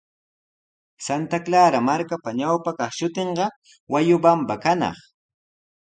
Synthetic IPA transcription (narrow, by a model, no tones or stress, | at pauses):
sant̪aklaːɾamaɾkapaɲawpakɑχʃʊt̪eɴɢɑ | wajʊbambakanɑ̰χ